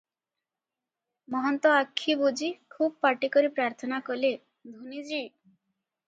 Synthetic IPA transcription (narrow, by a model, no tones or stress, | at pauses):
mɔɦɔnt̪ɔakʰːibud͡ʒikʰub̚paʈikɔɾipɾaɾt̪ʰɔnakɔle | d̪ʱunid͡ʒi